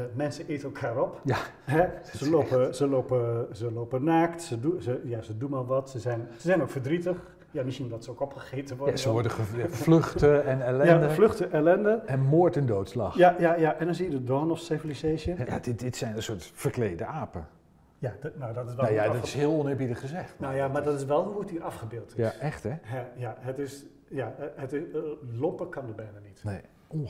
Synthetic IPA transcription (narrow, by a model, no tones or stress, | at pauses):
mɛnsəetəɛlˠkʰaːɾɔpja | ɦɛsəlopəsəlopəsəloːpənaːktsədusəjasədunʋalˠʋɔtsəzɛjnsəzɛjnokfərdritəx | jamisindɔtsəokɔpχəχeːtəʋɔasəʋɔɹdəəfløxtəɛnɛlɛjadəfløxtəʔɛlɛndəɛnmoːətəndoːtsla̰xjajajaʔɛndɔnzijədədɔːnɔfsefəliseːʃəja̰dɪdɪtsɛjnənsʊːɹtfərklejdəaːpə | jadnawdɔtɪsʋɛnajadɔtɪ̥sɦɪəlˠɔnɪːɹbidəχəzɛχtnajamadɔtɪsʋɛlˠɦuuətiʔɑfχəbɪːlˠtɪsɛχtɛɦɛjaɦətɪs | jaətɪlopəkɑnəbɛjnanitne | ɔ